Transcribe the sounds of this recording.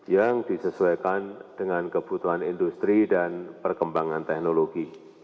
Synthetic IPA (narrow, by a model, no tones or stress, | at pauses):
jaŋd̥isəsuakand̥əŋankəb̥ut̪uanindust̪ɾidanpərkəmbaŋant̪ɛknoloɡ̥i